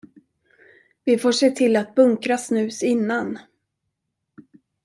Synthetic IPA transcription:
vɪfoːʂeːʈʰɪlat̪̚bɵŋkɾasnʉ̟ːsɪnːan

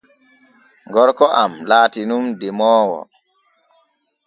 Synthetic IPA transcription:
ŋɡɔɾkɔʔamlaːtinumdɛmɔːwɔ̰

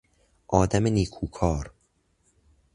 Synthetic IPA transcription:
ʔɒːd̪æmeniːkʰuːkʰɒːɾ

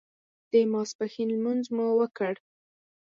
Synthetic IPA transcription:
d̪̥əmɑspaxinlmunzmuwəkəɽ

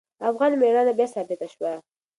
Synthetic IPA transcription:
afɣɑnmeɽɑnabjɑsɑbɪt̪aʃwa

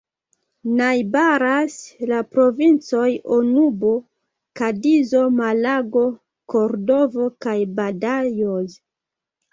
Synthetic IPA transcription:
najbaɾaslapɾo̞vint͡so̞jonubo̞ | kadizo̞malaɡo̞ | ko̞ɾdo̞vo̞kajbadajoz

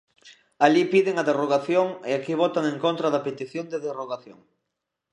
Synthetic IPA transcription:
aʎipiðɪŋɐðeroɣaθjoŋɪakiβ̞ɔt̪aŋẽŋkont̪ɾɐðɐpet̪iθjoŋd̪eðeroɣaθjo̰ŋ

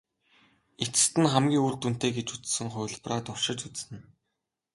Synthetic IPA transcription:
et͡sɘ̆st̪ɘ̆nχæmɡʲiːŋuːrt̪un̥t̪eːɡet͡ɕut͡ssɘ̆ŋχʊjʲɮpraːt̪ʊwʃɪ̆t͡ɕut͡ssɘ̆n

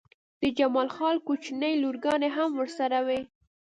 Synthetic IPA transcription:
d̪̥əd͡ʒamɑlxɑlkut͡ʃnəjluɾɡɑneɦamwəɾsaɾawe

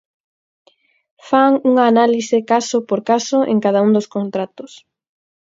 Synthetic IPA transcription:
faŋuŋaːnalisɪkasʊpoɾkasʊʔḛŋkaðauŋd̪ʊskont̪ɾat̪ʊs

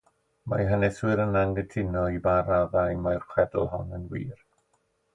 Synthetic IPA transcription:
majɦənɛswɨɾənaŋɡətʰɪnɔibaɾaðajmajrχwɛd̰l̩ˠhɔnənwḭːr

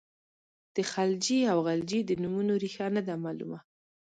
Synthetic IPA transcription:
d̪̥əxald͡ʒiawɣald͡ʒid̪ənumunoɾixanad̪amɑlṵma

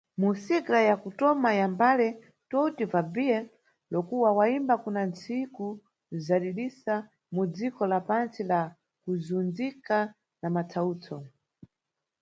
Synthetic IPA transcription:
musikɾajakutɔmajambalɛ | tɔtivabiɛ | lɔkuwawaimbakunant͡siku | zaɗiɗisa | mud͡zikɔlapant͡sila | kuzund͡zika | namat͡sʰauːt͡sʰɔ

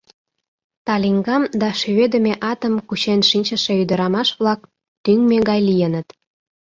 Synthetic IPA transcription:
t̪ɑliŋɡɑmd̪ɑʃyβed̪ə̆mʲeʔɑt̪əmkut͡ɕenʃinʲt͡ɕə̆ʃe̽yd̪əɾɑmɑʃβlɑk̚ | t̪yŋmeɡɑjlijənət̪

